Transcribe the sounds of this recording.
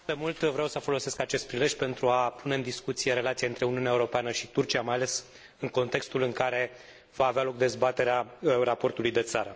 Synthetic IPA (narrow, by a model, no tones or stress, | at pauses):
d̪emult̪vɾeawsəfo̞lo̞se̞skat͡ʃe̞st̪̚pɾile̞ʃʲpe̞nt̪ɾuapune̞ɨnd̪iskut̪sije̞ɾe̞lat̪sijaɨnt̪ɾe̞uniuneaeuɾo̞peanəʃit̪urt͡ʃiamajale̞s | ɨŋko̞nt̪e̞kst̪ulɨŋkaɾe̞ | vaːvealo̞k̚d̪e̞zbat̪e̞ɾearapo̞rt̪ulujd̪e̞t̪saɾə